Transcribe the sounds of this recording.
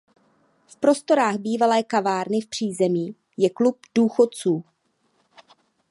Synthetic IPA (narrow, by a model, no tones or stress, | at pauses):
fpɾo̞st̪o̞ɾaːɣbiːvalɛːkavaːɾnɪfpr̝̥iːzɛmiː | jɛklup̚d̥uːxo̞tt͡suː